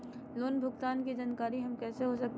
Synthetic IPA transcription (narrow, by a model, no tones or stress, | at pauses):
loːnbʱʊkt̪aːnkid͡ʒaːnkaːɾiɦɐmkɛːseɦosɐk̚t̪